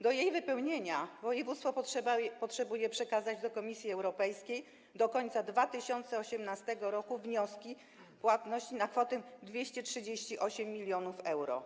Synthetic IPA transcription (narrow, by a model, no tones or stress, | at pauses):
d̪ɔjejvɘpɛwɲeɲavɔjɛvut̪st̪fɔɛapɔtʂɛbujɛpʂɛkazad͡ʑd̪ɔkɔmʲisʲjiɛwɾɔpɛjskʲej | d̪ɔkɔɲt̪sad̪vat̪ɘɕɔnt̪sɛɔɕɛmnast̪ɛɡɔɾɔkuvɲɔskʲi | pwat̪nɔɕt͡ɕinakfɔt̪ɛd̪vʲjeɕt͡ɕɛtʂɘd͡ʑeɕt͡ɕiʔɔɕɛmːʲilʲjɔnufɛwɾɔ̰